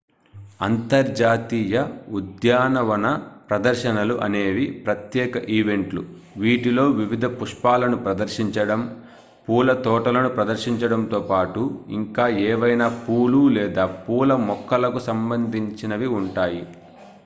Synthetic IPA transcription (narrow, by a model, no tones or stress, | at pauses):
ɐ̰nt̪ɐɾd͡ʒaːt̪iːjɐud̪jaːnɐʋɐnɐpɾɐd̪ɐɾʃɐnɐluʔɐne̞ːʋipɾɐt̪jɛːkɐʔiːʋe̞ɳʈlṵ | ʋiːʈilo̞ːʋiʋid̪ʱɐpuʂpaːlɐnupɾɐd̪ɐɾʃiɲt͡ʃɐɽɐm | puːlɐt̪ɔːʈɐlɐnupɾɐd̪ɐɾʃiɲt͡ʃɐɽɐmnt̪oːpaːʈuḭŋkaːɛːʋɐjnaːpuːlulɛːd̪aːpuːlɐmɔkːɐlɐkusɐmbɐnd̪ʱiɲt͡ʃinɐʋiuɳʈaːji